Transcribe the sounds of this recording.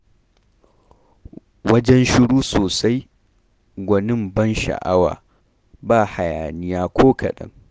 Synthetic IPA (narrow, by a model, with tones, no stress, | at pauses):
wɐ˦d͡ʒɛ˦nʃɪ˦ɽuː˦soː˨sa˦j | ɡʷɐ˨nɪ˦mbɐ˦nʃa̰˨ʔa˦wa̰ː˨ | baː˦˨ha˨jaː˨nɪ˦jaː˦kʷʰoː˦kʰɐ̰˨ɗɐ̰˦ŋ